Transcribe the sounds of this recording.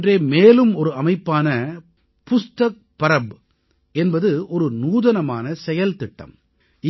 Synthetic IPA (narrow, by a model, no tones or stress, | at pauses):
dreːmeːlɯmɔɾɯɐmɐɪpːaːnɐ | pʊst̪ɐk̚pɐɾɐb | ɛnbɐðɯɔɾɯnuːðɐnɐmaːnɐsɛjɐlt̪ɪʈːɐ̰m | ɪ